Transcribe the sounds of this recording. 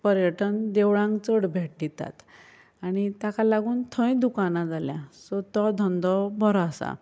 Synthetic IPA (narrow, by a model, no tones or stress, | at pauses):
pəɾjəʈənd̪ewɭãŋkt͡səɽbʱeʈ̚d̪it̪a̰t̪ | aɽ̃it̪akalaɡuːnt̪ʰə̃j̃d̪ukanãd͡zaljãsɔt̪ɔd̪ʱɔnd̪ɔbʱɔɾasa̰